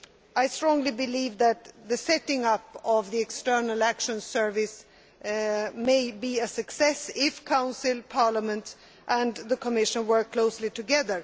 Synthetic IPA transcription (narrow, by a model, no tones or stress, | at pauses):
aɪstɹ̥ɔ̃ŋlibɨlivðɨt̪̚ðɨsɛɾɪ̃ŋʌpʌvðiɨkstɜ˞nəl̩ˠækʃɨ̃nsɜ˞vɪs | meɪbiɨsɨksɛsɪfkʰãʊ̃nsɪlˠpʰɑɹləmə̃nt | ʔə̃nðəkʰəmɪʃə̃nwɜ˞kʰːl̥oʊslitʰɨɡɛðə˞